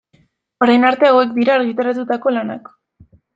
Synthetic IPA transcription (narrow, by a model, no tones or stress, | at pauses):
o̞ɾajnaɾt̪e̞awe̞kd̪iɾaːɾɣit̪aɾat̪ut̪ako̞lana̰k